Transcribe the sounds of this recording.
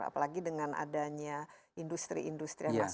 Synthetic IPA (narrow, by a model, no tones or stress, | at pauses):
a̰palaɡidəŋanʔa̰daɲaʔindust̪ɾḭindust̪ɾḭjaas